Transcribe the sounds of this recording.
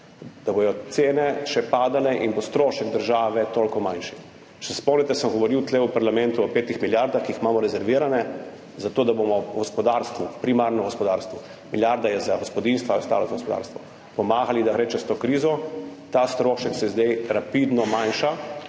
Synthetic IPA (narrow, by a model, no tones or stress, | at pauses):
d̪̥abojɔt̪seːnɛʃɛpaːd̪alɛʔinbost̪ɾoːʃɛɡd̪əɾʒaːʋɛt̪olkɔmajnʃi̥ | t͡ʃɛ̥sɛspɔmnɛt̪ɛsəmɡɔʋɔɾiwt̪lɛupaɾlamɛnt̪uɔpeːt̪ixmiljaɾd̪axkiːxmaːmɔɾɛzɛɾʋiːɾanɛ | zat̪oːd̪abomɔɡɔspɔd̪aɾst̪ʋupɾimaɾnɔɡɔspɔd̪aːɾst̪ʋɔ | miljaɾd̪ajɛzaɡɔspɔd̪inst̪ʋaust̪a̰ːlɔzaɡospɔd̪a̰ɾst̪ʋɔ | pɔmaːɣalid̪aɣɾeːt͡ʃɛst̪oːkɾiːzɔt̪ast̪ɾoːʃɛksɛzd̪ejɾapid̪nɔmajnʃa